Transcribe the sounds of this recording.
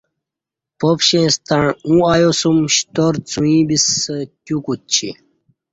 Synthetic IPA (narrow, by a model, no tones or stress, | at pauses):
popɕẽːst̪aɳũajosumɕt̪oɾt͡sũĩbisətʲukut̪̚t͡ɕʰḭ